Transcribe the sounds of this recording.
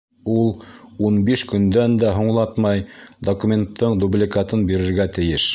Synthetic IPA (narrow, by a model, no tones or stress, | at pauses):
ulˠunbiʃkɵ̆nd̪ænd̪æɦŏɴlˠɑt̪mɑjd̪okumʲent̪ʰːɤɴd̪ublʲikɑt̪ɤnbiɾɘ̆ɾɡæt̪ɘ̆jɘʃ